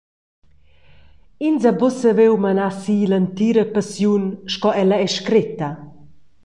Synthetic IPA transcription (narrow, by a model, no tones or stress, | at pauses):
inzabɔsəvewmanasiːlant̪iɾəpasjunʃkɔɛlaɛʃkɾit̪a